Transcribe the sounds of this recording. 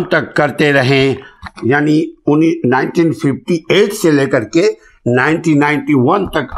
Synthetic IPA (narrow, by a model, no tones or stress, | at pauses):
nt̪ɐkːɐɾt̪eɾɐɦẽjaːniʊninãːɪnʈĩːnpʰɪpʈieːʈseleːkəɾke | naːɪ̃nʈinːaːɪ̃nʈiʋɐnt̪ɐk